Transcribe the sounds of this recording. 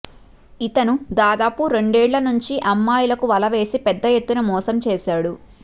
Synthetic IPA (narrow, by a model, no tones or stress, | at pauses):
it̪ɐnud̪aːd̪aːpuɾe̞ɳɖeːɭlɐnuɲt͡ʃiʔɐmːaːjulɐkuʋɐlɐʋe̞ːsipɛd̪ːɐjet̪ːunɐmɔːsɐmt͡ʃɛːʃaːɽu